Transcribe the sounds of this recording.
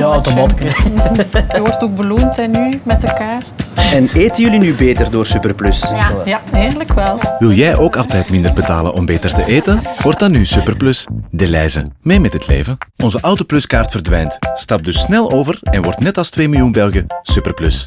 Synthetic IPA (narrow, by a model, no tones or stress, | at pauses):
wtomt | ɔrtoɡ̚bəlumtɛnymɛtəkaːrtɛneːtənjɵlinybeːtərdoːrsypərplɵsjaeːləkʋɛlˠʋɪlˠjɛjʔoːkɑlˠtɛjtmɪndərbəta̰ːlə̰nʔɔmbeːtərtəʔeːtənʋɔrt̚dɑnːysypərplɵsdəlɛːjzə̰meːmɛtɦətʰlḛːvənʔɔnzəʔawtoplʏskaːrtfərdʋɛjntstɑp̚dʏsnɛlˠoːvərɛnʋɔrtnɛtɑlˠstʋeːmilˠjunbɛlˠɣəsypərplɵs